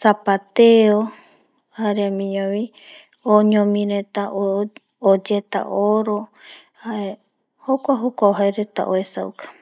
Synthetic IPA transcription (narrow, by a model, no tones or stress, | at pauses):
sapat̪eo | haɾeamĩɲõmĩ | oɲõmĩɾet̪aʔo | od͡ʒet̪a̰ʔoɾo | haʔe | hokʷaɦokʷaoɦajɾet̪a̰ʔoesaukḁ